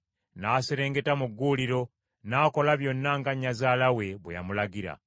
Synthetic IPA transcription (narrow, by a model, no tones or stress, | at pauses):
naːseɾe̞ːŋɡe̞tamuɡːuliɾo̞ | naːko̞laβjo̞nːaŋɡaɲːazaːlawe̞βwḛja̰mulaɡiɾa̰